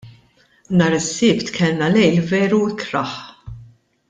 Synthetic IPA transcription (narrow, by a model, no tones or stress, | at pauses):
nɐːɾɪsːɪːpt̪kʰɛlnɐlɛjlvɛːɾuɪkɾɐħ